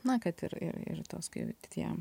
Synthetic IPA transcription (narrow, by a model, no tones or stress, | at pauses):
nɐkɐt̪ɪ̰ɾɪ̰ɾɪ̰ɾt̪oːskɐ̰ɪt̪ʲɪ̥t̪ʲiɛ̰m